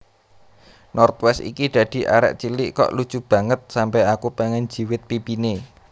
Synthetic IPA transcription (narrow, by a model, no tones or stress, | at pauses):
nɔrt̪̚wɛsḭkid̪̥ä̤d̪̥i̤ʔa̰ɾɛ̰ʔt͡ʃilɪʔkɔ̰ʔlu̥t͡ʃub̥ä̤ŋət̪̚sampɛakupeŋɛn̥d͡ʒ̥i̤wɪt̪̚pipine